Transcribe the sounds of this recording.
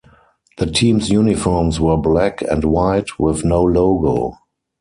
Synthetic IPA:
ðətʰĩːmsjuːnɪfɔɹmswɜ˞blækʰɛ̰̃ntwaɪtwɪθnoʊloʊɡo̰ʊ

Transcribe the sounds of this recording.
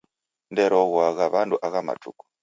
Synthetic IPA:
ndɛɾɔɣwaɣaβanduʔaɣama̰tṵku̥

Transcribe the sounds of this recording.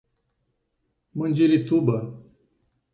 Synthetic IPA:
mənʲd͡ʑilit̪ubɐ

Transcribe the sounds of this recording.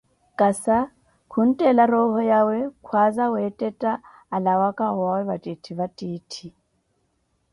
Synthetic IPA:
kʼasa | kʰun̩tʼɛlaɾɔɦɔjawɛkʰwazawɛtʼɛtʼaː | lawakʼawawɛβatʼitʰiβatʼiːtʰi

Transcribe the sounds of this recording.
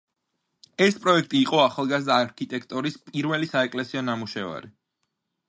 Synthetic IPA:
ɛspʼɾɔɛkʰt̪ʼiːqʼɔaχalˠɡazd̪aːɾkʰit̪ʼɛkʰt̪ʼɔɾispʼiɾvɛlisaɛkʼlɛsiɔnamuʃɛva̰ɾi

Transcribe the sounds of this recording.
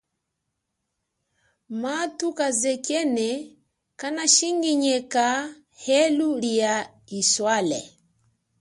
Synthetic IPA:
matukazɛkɛnɛ | kanaʃiŋɡiɲɛka | hɛlulia | iswalɛ̰

